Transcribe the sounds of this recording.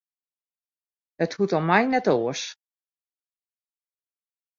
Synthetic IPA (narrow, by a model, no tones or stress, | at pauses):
əthutɔmɛjnɛtoːəs